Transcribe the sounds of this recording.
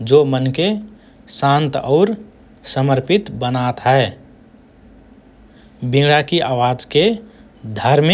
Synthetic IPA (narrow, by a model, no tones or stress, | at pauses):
d͡ʒomənke | sãnt̪ɔːɾ | səməɾpɪt̪bənat̪ɦɛ | bĩɽakiʔaːwaːd͡ʒke | d̪ʱəɾm